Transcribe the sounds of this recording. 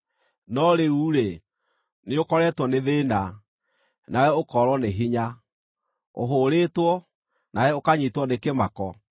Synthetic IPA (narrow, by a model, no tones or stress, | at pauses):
nɔɾeuɾe | neokɔɾɛtwɔneðeːna | naɛokɔɾwɔneɦiɲa | o̰ɦoːɾeːtwɔ | naɛokaɲitwɔnekemakɔ